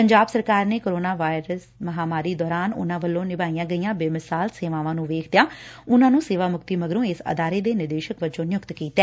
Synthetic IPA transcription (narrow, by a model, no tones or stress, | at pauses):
pəɲd͡ʒaːbsəɾkaːɾneːkoːɾoːnaːʋaːɪɾəs | məɦaːmaːɾiːd̪ɔːɾaːnʊ̰nãːʋəlːõːnɪbaːijãːɡəijãːbeːmɪsaːlseːʋãːʋãːnũːʋeːkʰd̪ɪjãːʊnãːnũːseːʋaːmʊkt̪iːməɡɾõːesə̰d̪aːɾeːd̪eːnɪɾd̪eːʃəkʋəd͡ʒõːnɪjʊkt̪kiːt̪ɛː